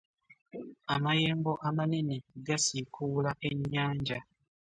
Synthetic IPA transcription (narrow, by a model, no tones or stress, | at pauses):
amajeːmboʔamaneneɡasikʰulaʔeɲaːɲd͡ʒa